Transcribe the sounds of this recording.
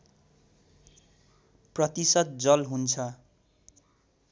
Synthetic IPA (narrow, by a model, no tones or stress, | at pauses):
prʌt̪isʌt̪̚d͡zʌlɦunt͡sʰʌ